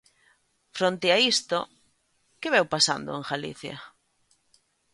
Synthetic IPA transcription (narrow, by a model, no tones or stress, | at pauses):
fɾont̪eaist̪o | kɪβɛwpasa̰nd̪o̰eŋxalḭθja̰